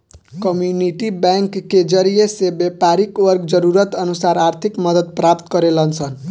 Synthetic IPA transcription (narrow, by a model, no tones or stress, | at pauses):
kəmjuniʈibɛŋkːed͡ʒəɾijesebepaɾikwəɾɡd͡ʒəɾuɾət̪ənusaɾaɾt̪ʰikməd̪ət̪̚pɾap̚t̪kʌɾelənt͡ʃʰən